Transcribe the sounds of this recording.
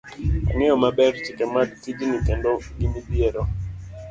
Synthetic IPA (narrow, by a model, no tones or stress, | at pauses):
a̰ŋɛɔmabɛɾt͡ʃɪkɛmadtid͡ʒinikɛndoɡimibjeɾo